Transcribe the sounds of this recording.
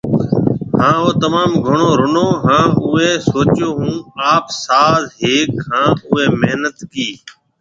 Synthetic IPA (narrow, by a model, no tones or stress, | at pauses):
hãːoːt̪əmaːmɡʱʊɳoːɾʊnoːɦãːʊeːsoːt͡ʃjoːɦũːaːpsaːzɦeːkhãːʊɦeːmeɦnət̪kiː